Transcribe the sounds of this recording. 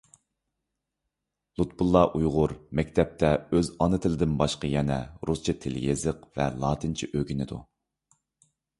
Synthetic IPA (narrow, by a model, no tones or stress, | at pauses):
lˠut̪̚bulˠːɑʔujʁʊɾmɛkʲt̪ʰɛp̚t̪ʰɛøzɑnɨt̪ʰɪlɪd̪ɪnbɑʃqɑjɛnɛɾust͡ʃʰit̪ʰɪljezɨqvɛlˠɑːt̪ʰɨnt͡ʃʰiʔøɡʲinɪd̪ṵ